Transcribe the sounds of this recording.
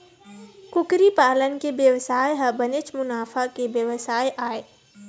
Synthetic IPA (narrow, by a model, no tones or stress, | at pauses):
kʊkɾipaːlənkebjəʋsaːjɦɐbɐnɪt͡ʃmʊnaːfakeʋjəʋsaːjʔaːeː